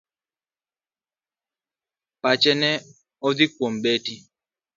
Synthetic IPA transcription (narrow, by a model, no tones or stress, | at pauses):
pat͡ʃɛnɛ | ɔðikwombeti